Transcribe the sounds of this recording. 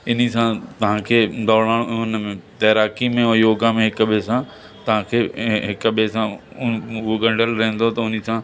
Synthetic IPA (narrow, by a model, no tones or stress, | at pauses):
ɪnisãt̪ɐʋ̤ãkʰeːd̪ɔːɽaːɽ̃ʊnmẽt̪ɐːɾaːkimẽojoːɡãmẽɦɪkɓesã | t̪ɐɦãkʰeːɦɪkɓesã | ʊɦoɡɐ̃ɳɖʱəlɾɐɦə̃nd̪ot̪ɐʊnisã